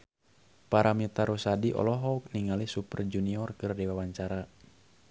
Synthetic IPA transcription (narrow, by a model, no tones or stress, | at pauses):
paɾamit̪aɾusadiʔɔ̰lɔɦɔuk̚niŋalisupərd͡ʒuniɔrkɨrdiwawaɲt͡ʃaɾa